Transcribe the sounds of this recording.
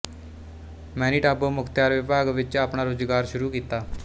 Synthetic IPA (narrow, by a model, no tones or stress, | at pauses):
mɛ̃ːniːʈaːboːmʊkʰt̪jaːɾʋɪbaːɡʋɪt͡ʃaːpɳaːɾoːzɡaːɾʃʊɾuːkiːt̪aː